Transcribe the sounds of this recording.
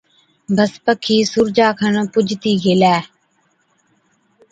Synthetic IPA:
bəspəkʰːiːsʊɾd͡ʒaːkʰənõːpʊd͡ʒt̪iːɡelɛː

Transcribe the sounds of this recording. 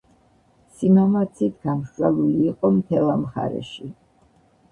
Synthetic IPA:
simamat̪sʰit̪ʰɡamʃwɛluliːqʼɔmt̪ʰɛlˠamχa̰ɾɛ̰ʃi

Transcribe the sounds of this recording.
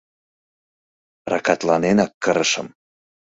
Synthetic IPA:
rɑkɑt̪lɑnenɑkːəɾəʃə̰̆m

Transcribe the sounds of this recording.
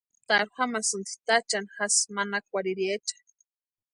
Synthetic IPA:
t̪aɾuxamasɨnt͡s̪i̥t̪at͡ʃanxasmanak̚ʷaɾiɾiet͡ʃḁ

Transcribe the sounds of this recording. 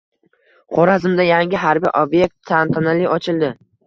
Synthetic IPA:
χoɾazɪmd̪ajaŋʲɪɦaɾbḭjʔobje̞k̚t̪ʰːant̪ʰanalɪɒt͡ʃʰɪlˠd̪ɪ

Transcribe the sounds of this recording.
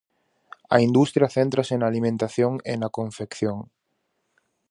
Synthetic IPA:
ɐ̰ind̪ust̪ɾjaθent̪ɾasenalimẽnt̪aθjoŋḛnakõɱfekθjoŋ

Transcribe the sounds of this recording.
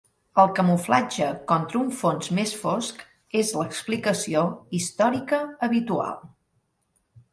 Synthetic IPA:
əlˠkəmuflad͡ʒəkɔnt̪ɾəuɱfonzmesfosk | ezləksplikəsioist̪ɔɾikəəβit̪ua̰lˠ

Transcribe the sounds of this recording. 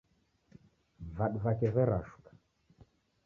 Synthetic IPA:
vaɗuvakɛvɛɾaʃu̥kḁ

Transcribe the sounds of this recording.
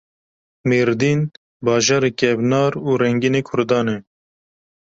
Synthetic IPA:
meːɾd̪iːn | bɑːʒɑːɾeːkɛbnɑːɾuːɾɛŋɡineːkʰʊɾd̪ɑːnɛ

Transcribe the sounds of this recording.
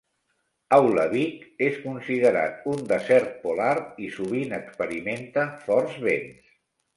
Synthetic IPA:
awləβikeskunsiðəɾa̰t̪̚und̪əzɛɾt̪̚pulaɾisuβinəkspəɾiment̪əfɔɾzβens

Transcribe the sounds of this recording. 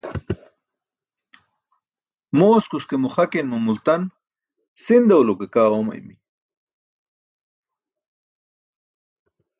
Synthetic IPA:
moːskuskemuχɐkenmumult̪ɐn | sind̪ɐwlokekaːomɐ̰jmi

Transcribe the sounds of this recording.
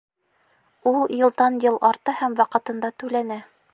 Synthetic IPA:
ulˠjɤ̆lˠt̪ɑnjɤlˠʔɑɾt̪ɤhæmwɑqɤ̆t̪ɤ̆nd̪ɑt̪ʉlænæ

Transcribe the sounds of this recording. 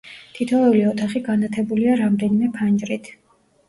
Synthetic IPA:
t̪ʰit̪ʰɔlɛuliɔt̪ʰaχiɡanat̪ʰɛbuliaɾamd̪ɛnimɛpʰand͡ʒɾit̪ʰ

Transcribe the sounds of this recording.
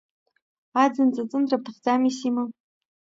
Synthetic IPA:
ad͡zɨnt͡sʼat͡sʼɨndrap̚tʰɨχd͡zamisima

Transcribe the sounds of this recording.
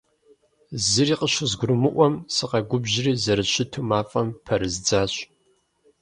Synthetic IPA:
zɨriːqəɕʊzɡʷʊɾɨmɨʔʷɔmsɨqɐɡʷʊbʑɪriːzɐɾɨɕɪtʰumaːfʼɐmpʰɐɾɨzd͡zaːɕ

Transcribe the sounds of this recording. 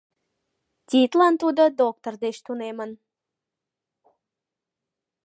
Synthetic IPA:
t̪ʲit̪lɑnt̪ud̪əd̪ok̚t̪ord̪eʃt̪unemən

